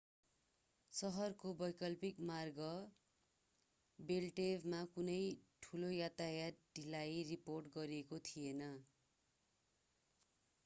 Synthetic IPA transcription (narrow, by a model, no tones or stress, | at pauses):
sʌɦʌrkobʌjkʌlpikmarɡʌ | belʈebmakunʌjʈʰulojat̪ajaɖilajriporʈɡʌɾiekot̪ʰienʌ